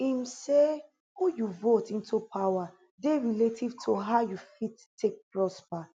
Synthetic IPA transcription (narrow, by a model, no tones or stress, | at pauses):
imse | hujuvotĩntʰupʰawa | deɹiletʰivtʰoɦajufitʰː | ek̚pɹɔspa